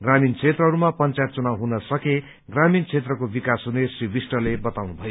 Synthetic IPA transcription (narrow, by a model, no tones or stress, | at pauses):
ɡramint͡sʰet̪rʌɦʌɾumapʌnt͡sajt̪̚t͡sunawɦunʌsʌke | ɡramint͡sʰet̪rʌkobikasɦunesribisʈʌlebʌt̪awnubʱʌjo